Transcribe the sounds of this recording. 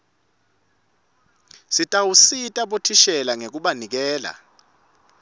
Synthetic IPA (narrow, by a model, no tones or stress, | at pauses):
sitʼawusitʼaɓotʰiʃɛlaŋek̬uɓanik̬ɛːla̰